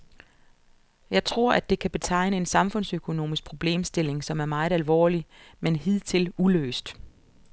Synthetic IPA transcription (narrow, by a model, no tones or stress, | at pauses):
jɑ̈ɪt͡sʰʁo̝ɐ̰ʔæd̥e̝kʰæb̥e̝t͡sʰɑ̈ɪ̰nəe̝nsɑ̈mfɔ̽n̰søkʰo̝no̝̰ːmisɡ̥̚pʰʁo̝b̥le̝̰ːmsd̥e̝l̰e̝ŋsɒ̽mæɐmɑ̈ɪð̩ˠælʋɒ̰ːlimenɦið̰ˠt͡sʰe̝lulø̰ːsd̥